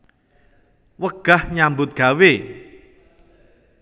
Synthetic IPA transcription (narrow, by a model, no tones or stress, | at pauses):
wəɡ̥a̤hɲambʊt̪̚ɡ̥a̤we